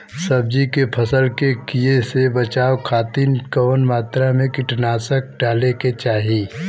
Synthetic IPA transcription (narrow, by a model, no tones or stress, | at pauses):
sɐb̚d͡ʒikepʰɐsəlkekijesebɐt͡ʃaːwkʰaːt̪inkənmaːt̪ɾamẽkɪʈnaːsək̚ɖaːleket͡ʃaːɦiː